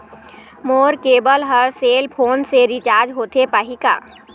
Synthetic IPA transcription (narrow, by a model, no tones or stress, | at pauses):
moːɾkeːbəlɦəɾseːlpʰoːnseɾit͡ʃaːɾd͡ʒɦoːt̪epəɦika̰ː